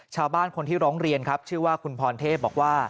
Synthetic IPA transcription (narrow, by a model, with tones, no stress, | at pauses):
t͡ɕʰaː˧wbaː˥˩nkʰo˧nt̪ʰiː˥˩ɾɔː˦˥ŋɾi˧ənkʰa˦˥p̚t͡ɕʰɯ˥˩əwaː˥˩kʰu˧npʰɔː˧nt̪ʰeː˥˩bɔː˨˩k̚waː˥˩